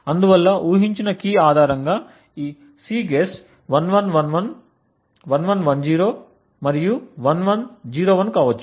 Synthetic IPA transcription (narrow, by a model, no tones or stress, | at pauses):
ɐnd̪uʋɐlːɐʔuːɦiɲt͡ʃinɐkiːaːd̪ʱaːɾɐŋɡaː | iː | siːɡeːs | ʋɐnʋɐnʋɐnʋɐn | ʋɐnʋɐnʋɐnd͡ʒiːɾo̞ː | mɐɾijuʋɐnʋɐnd͡ʒiːɾoːʋɐnkaːʋɐt͡ʃːu̥